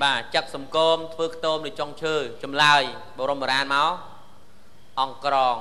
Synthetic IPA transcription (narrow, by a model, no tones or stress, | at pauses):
ɓaːt͡ɕək̚sɑmkoːmt̪ʰʋəːkʰt̪oːmlɨt͡ɕoŋt͡ɕʰəːt͡ɕɑmlaəj | ɓoːɾomːoɾaːnmaɔ | ʔɑŋkrɑːŋ